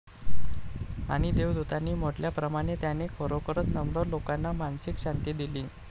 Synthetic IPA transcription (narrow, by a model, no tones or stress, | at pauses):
a̰ɽ̃id̪ewd̪ut̪anːiːm̤oʈljapɾəmaɽ̃et̪janekʰəɾokəɾət̪nəmɽolokanːamansikɕant̪id̪ilĩː